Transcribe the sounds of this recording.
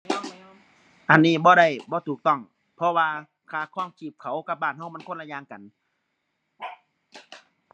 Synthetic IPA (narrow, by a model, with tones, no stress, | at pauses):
ʔa˨nːiː˧˥˨bɔː˧˦ɾa˧˩jbɔː˧˦t̪ʰuː˨˩k̚t̪ɔ˧˥˩ŋ | pʰɔ˧waː˧ | kʰaː˧˩kʰɔː˧˥˨ŋkʰiː˧˩p̚kʰa˨˩wka˧˦p̚baː˧˩˨nha˧˩wma˧˥˨nkʰo˧˥˨nla˧jɲaː˧ŋka˨n